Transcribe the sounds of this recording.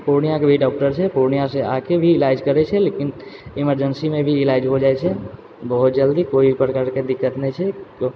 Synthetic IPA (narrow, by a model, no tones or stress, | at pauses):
poɾnijãkebʱiɖɔːk̚ʈəɾt͡ʃʰɛpoɾnijãsea̰kebʱiːlaɪd͡ʒkəɾɛt͡ʃʰɛlekinɪməɾd͡ʒənsimẽbʱiɪlaɪd͡ʒɦod͡ʒaːɛt͡ʃʰɛ | bəɦut̪̚d͡ʒəld̪ikoibʱipɾəkaɾked̪ɪkːət̪nɛt͡ʃʰɛko